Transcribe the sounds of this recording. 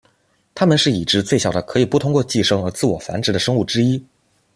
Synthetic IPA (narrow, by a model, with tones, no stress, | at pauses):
t̪ʰa˥mə˨nʂɻ̩˥˩i˨˩ʈ͡ʂɻ̩˧˥t͡swe˥˩ɪɕjɑ˨˩ʊd̪ə˦kʰɤ˧˥i˨˩pu˥˩t̪ʰʊ˥ŋkwɔ˥˧t͡ɕi˥˩ʂɤ˥ŋə˧˥t͡sɹ̩˥˩wɔ˨˩fa̰˧˥nʈ͡ʂɻ̩˧˥d̪ə˧ʂɤ˥ŋu˥˩ʈ͡ʂɻ̩˥i˥